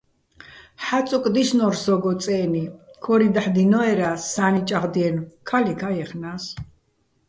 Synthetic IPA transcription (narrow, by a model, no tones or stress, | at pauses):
ħaukʼd̪iʃnɔɾsɔɡɔt͡s̪ʼɛːnikʰɔɾid̪aħd̪inɔɛɾasːanit͡ʃʼaʁd̪iɛnkʰalikʰajɛχnas